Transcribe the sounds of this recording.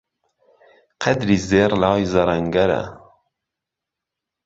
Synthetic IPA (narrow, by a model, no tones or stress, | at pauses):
qʰɛd̪ɾiːzeːɾlɑːjzɐɾɐŋɡɐɾɛ̰